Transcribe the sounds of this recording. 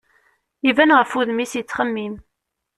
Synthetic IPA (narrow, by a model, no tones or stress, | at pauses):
ivænʁəfuðmisjət͡sːχəmːim